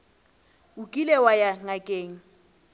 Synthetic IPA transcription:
ʊkʼilɛwajaŋakʼeːŋ̩

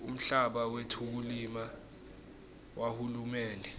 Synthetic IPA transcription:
um̩ɬaɓawetʰuk̬ulima | wahulumɛːndʱɛ

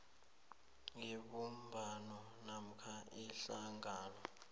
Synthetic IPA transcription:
ŋiɓumbʱanɔ | nam̩kʰaiɬaŋaːlɔ

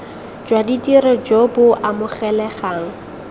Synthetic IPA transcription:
d͡ʒwaditʼirɔd͡ʒɔbʊʔamʊχɛlɛχaːŋ̩

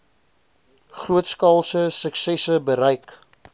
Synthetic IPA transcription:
χruətskɑːlˠsəsəksɛsəbəɾɛjk

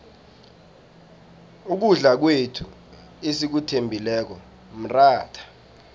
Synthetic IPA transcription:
uk̬uɮak̬wetʰu | esik̬utʰembʱilɛːk̬ɔ | m̩raːtʰḁ

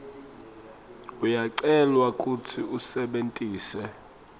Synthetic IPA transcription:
ujaǀɛlwakʼutʰiusɛɓentʼiːsɛ

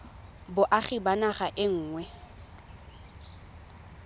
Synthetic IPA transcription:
bʊʔaχɪbanaχaʔɪŋ̩ːŋwɛ

